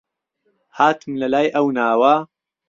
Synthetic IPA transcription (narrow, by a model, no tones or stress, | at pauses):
haːt̪ɨmlɐlaːjʔɐwnaːwa